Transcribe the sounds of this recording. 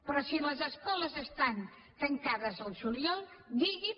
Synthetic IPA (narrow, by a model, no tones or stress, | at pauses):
pɾɔsiləzəskɔləzəst̪an | t̪əŋkaðəzəlˠsuljɔlˠd̪iɣi